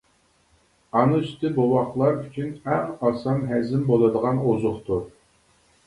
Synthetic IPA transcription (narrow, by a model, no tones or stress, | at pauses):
ɑnuyst̪ɪbuwɑχlˠɑɾyt͡ʃʰynæŋɑsɑnɦɛzɪmbolˠɨd̪əʁɑnozʊχt̪ʰu